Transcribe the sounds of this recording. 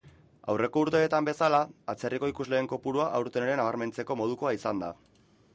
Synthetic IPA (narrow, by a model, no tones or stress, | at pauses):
a̰wre̞ko̞uɾt̪e̞ːt̪ambe̞salaːt͡se̞riko̞ikuzle̞ːŋko̞puɾuaʔawɾt̪e̞neɾe̞naβ̞aɾme̞nt͡se̞ko̞mo̞ð̞uko̞aisand̪a̰